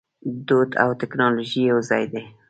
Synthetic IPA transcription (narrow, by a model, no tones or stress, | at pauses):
d̪od̪a̰wt̪ɪknɑloʒijawzɑjd̪e